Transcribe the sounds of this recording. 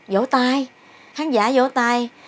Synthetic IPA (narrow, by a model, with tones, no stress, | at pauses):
zo̰˧˥˦t̪aː˧j | xaː˨˦nzaː˧˥zo̰˧˥˦t̪aː˧j